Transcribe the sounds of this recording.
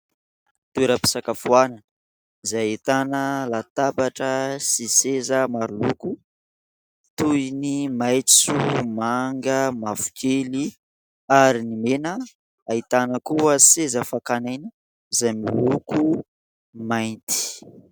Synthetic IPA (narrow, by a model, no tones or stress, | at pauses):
t̪ueɾəpi̥sakafuananə | izajit̪anəlat̪abaʈ͡ʂəsisezəmaɾuluku | t̪uinimajt͡st͡sumaŋɡəmafu̥kʰeli | aɾinimenə | ait̪anəkuəsezəfakanajnə | izajmiuku | majnt̪i̥